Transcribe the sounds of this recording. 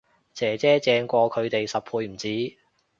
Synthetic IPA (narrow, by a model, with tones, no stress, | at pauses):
t͡sɛː˨˩t͡sɛː˥t͡sɛː˧ŋkʷɔː˧kʰɵ˨˧ɥt̪e˨jsɐ˨p̚pʰuː˧jm̩˨˩t͡siː˨˥